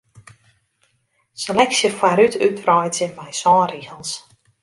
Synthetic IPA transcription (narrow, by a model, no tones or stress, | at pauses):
selɛksjəfaɾytʰytrɔjtəbɛjsɔːriəlˠs